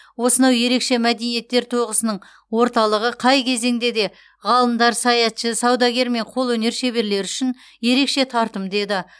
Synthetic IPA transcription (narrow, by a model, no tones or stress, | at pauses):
wo̞sənɑwje̞ɾe̞kʃe̞mæd̪e̞nije̞t̪ːe̞ɾt̪ʰo̞ʁəsənəɴ | wo̞ɾt̪ɑlˠəʁəqʰɑjkʲʰe̞ze̞ŋd̪e̞d̪e̞ | ʁɑlˠəmd̪ɑɾsɑjɑt̪ʃəsɑwd̪ɑɡʲe̞ɾme̞ɴqʰo̞lˠwɵne̞ɾʃe̞be̞ɾle̞ɾʏʃɪn | je̞ɾe̞kʃe̞t̪ʰɑɾt̪əmd̪e̞d̪ɪ